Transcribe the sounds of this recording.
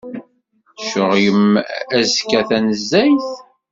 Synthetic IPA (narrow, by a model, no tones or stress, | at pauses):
ʃəʁjəmæzkːæθænəzːæjθ